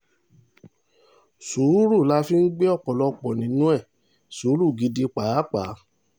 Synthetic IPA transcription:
suː˨˦ɾu˦˨la˦fi˦n̩˦ɡ͡be˦ɔ˦˨k͡pɔ˨lɔ˧k͡pɔ˨nĩ˨˦nũ˦ɛ˦˨ | su˨˦ɾu˦˨ɡi˧˦di˧k͡pa˨˦k͡pa˨˦

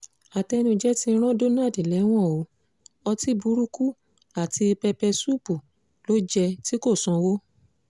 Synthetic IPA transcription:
a˨tɛ˧ñũ˧d͡ʒɛ˦ti˦˧˦ɾ̃ã˦do˦na˦˨di˨lɛ˨˦w̃ɔ̃˦˨o˨˦ | ɔ˧ti˦bu˦ɾu˦ku˦ | la˦˨ti˧e˧pɛ˧pɛ˧su˦˨pu˨ | lo˦d͡ʒɛ˧ti˦ko˦˨sɔ̃˧wo˦

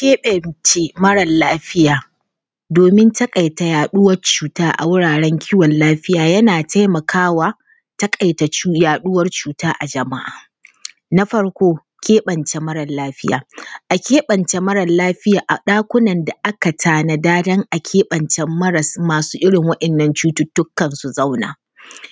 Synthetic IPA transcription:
kʲeː˦ɓɐ˨nt͡ʃe˦mɐ˦ɽɐ˨nlaː˦ɸɪ˦jaː˨ | doː˨mɪ˦ntɐ˦kʼa˨jta˨jaː˨ɗʊ˦wɐ˦rt͡ʃuː˨taː˦ʔa̰˨wʊ˦ɽaː˨ɽɛ˦ŋkʲʰiː˦wɐ˨nlaː˦ɸɪ˦jaː˨jɐ˦naː˨tʰa˦jmɐ˨kʰaː˦waː˦ | tɐ˦kʼɐ˨jta˨t͡ʃu˦jaː˨ɗʊ˦wɐ˦rt͡ʃuː˨taː˦ʔa˨d͡ʒɐ˨ma̰˦ʔaː˨ | na˦ɸɐ˦ɽkʷoː˦ | kʲʰeː˦ɓɐ˨nt͡ʃe˨mɐ˦ɾɐ˨laː˦ɸɪ˦jaː˨ʔa˨kʲeː˦ɓɐ˨nt͡ʃɛ˨mɐ˦ɾɐ˨laː˦ɸɪ˦jaː˨ʔa˨ɗaː˦kʷʊ˦nɐ˨nda˨ʔa˦ka˨tʰaː˦na˨daː˦dɐ˦ŋʔa˨kʲʰeː˦ɓɐ˨nt͡ʃɛ˦mmɐ˦ɾɐ˨smaː˨suː˦ʔɪ˦ɽɪ˨ŋwɐ˦ɗɛ˨nːɐ˨nt͡ʃuː˦tʊ˦tːʊ˦kːɐ˨nsu˨za˦wna̰ː˨

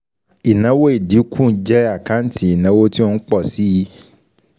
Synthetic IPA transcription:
i˨nã˨˦wo˦e˦˨di˨˦kʰũ˦˨˦d͡ʒɛ˦a˨kã˨˦n̩˦ti˦i˦˨nã˨˦wo˦ti˦o˦˧n̩˦k͡pɔ˦˨si˨˦ji˧˦

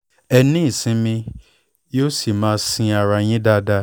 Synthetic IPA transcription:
ɛ˨nĩ˦˨sĩ˧mĩ˧ | jo˦si˨mãː˦sĩ˧a˨ɾa˨ɲĩ˦da˦da˧

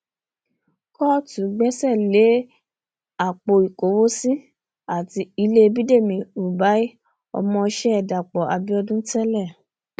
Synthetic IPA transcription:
kɔ˦tũ˨˦ɡ͡bɛ˦sɛ˦˨le˨˦ | a˦˨k͡po˧˨i˨ko˨˦wo˦si˦ | a˦˨ti˧i˧le˦˧bi˦de˦˨mĩ˨u˨ba˨˦i˦ | ɔ̰˧mɔ̃˧ʃɛ˦ɛ˨da˨k͡pɔ˨a˧bi˦ɔ˧dũ˦tɛ˦lɛ˦˨

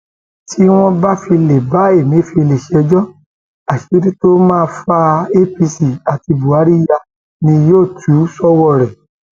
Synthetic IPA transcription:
tʰi˦w̃ɔ̃˦ba˦fi˧le˨ba˨˦e˦˨mĩ˨˦fi˧le˨ʃe˨ɛ˧d͡ʒɔ˦ | a˨ki˨˦ɾi˦to˦mãː˦˧fa˧e˦pi˧si˨a˨ti˧bu˨a˨˦ɾi˦ja˧ | nĩ˧joː˦˨tʰu˨˦sɔ˦wɔ˦˨ɾɛ˨

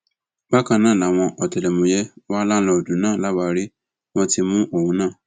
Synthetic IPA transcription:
ba˦kã˧nãː˦˨la˨w̃ɔ̃˧ʔɔ˨tɛ˨lɛ˨mũ˨˦jɛ˦wa˦la˦n̩˦lɔ˧o˨dũ˨˦nãː˦˨la˦wa˧ɾi˦ | w̃ɔ̃˦ti˧mũ˦ʔo˦˨hũ˨˦nãː˦˨

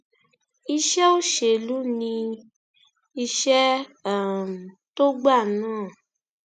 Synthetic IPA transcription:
i˧ʃɛ˦o˦ʃe˨lu˦nĩ˧ | i˧ʃɛ˦ | m˨ | to˦ɡ͡ba˦˨nãː˦˨

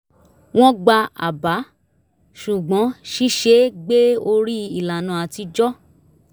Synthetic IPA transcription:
w̃ɔ̃˦ɡ͡ba˧a̰˨ba˨˦ | ʃu˨ɡ͡bɔ̃˨˦ʃi˦ʃe˨˦ɡ͡be˦o˧ɾi˦i˨la˨nã˨a˧ti˧d͡ʒɔ˦

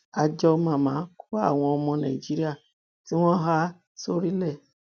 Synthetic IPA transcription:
a˧d͡ʒɔ˧mã˨mãː˨˦ku˦a˦˨w̃ɔ̃˧ɔ˧mɔ̃˧nã˨i˨d͡ʒi˦ɾi˦a˦˨ | ti˦w̃ɔ̃˦ɦa˦ | so˦ɾi˦lɛ˦˨

